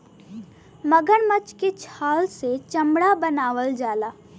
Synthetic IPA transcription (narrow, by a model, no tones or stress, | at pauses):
məɡəɽmət͡ʃket͡ʃʰaːlset͡ʃɐmɽabənaːʋəld͡ʒaːlaː